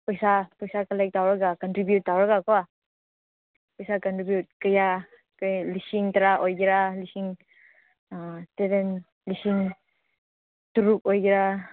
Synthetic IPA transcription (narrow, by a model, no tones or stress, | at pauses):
pəjsapɔjsakəlajk̚tawɾɡakɔntɾibjut̚ːawɾɡakɔwa | pəjsakɔntɾibjut̚kəja | kəlisiŋtaɾaʔɔjɡiɾalisiŋ | tɛɾɛn | lisiŋ | tuɾuk̚ɔjɡiɾa